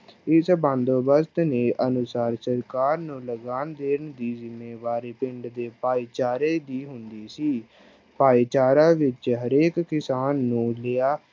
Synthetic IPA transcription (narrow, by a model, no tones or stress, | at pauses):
ɪsbãːnd̪oːbəst̪neːʔənʊsaːɾsəɾkaːɾnũːləɡaːnd̪eːɾəɳd̪iːzɪmːeːʋaːɾiːpɪɳɖd̪eːpaːiːt͡ʃaːɾeːd̪iːɦʊnd̪iːsiː | paːiːt͡ʃaːɾãːʋɪt͡ʃɦəɾeːkːɪsaːnːũːleaː